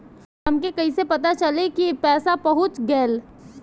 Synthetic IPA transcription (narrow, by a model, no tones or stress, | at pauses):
ɐmkekɐisepɐt̪at͡ʃɐlekipɛːsapɐɦʊt͡ʃɡɛːl